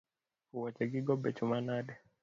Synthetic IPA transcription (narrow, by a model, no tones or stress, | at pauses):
huwat͡ʃaɡiɡɔɓɛt͡ʃumanaɗɛ